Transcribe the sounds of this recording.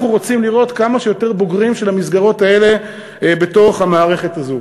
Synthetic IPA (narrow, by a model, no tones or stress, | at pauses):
χuʁo̞t͡simliʁo̞tkamaʃejo̞te̞ʁbo̞ɡʁimʃelhamizɡaʁo̞tae̞le̞ | be̞to̞χhamaːʁe̞χe̞tazo